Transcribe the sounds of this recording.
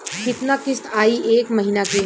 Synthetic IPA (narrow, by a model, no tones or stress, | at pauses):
kɪt̪nakɪst̪ʰaːiʔeːkmɐɦinake